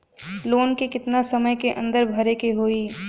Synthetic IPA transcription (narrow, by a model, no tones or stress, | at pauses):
loːnkikɪt̪nasɐməjkeʔə̰̃nd̪əɾbʱɐɾekeɦoːiː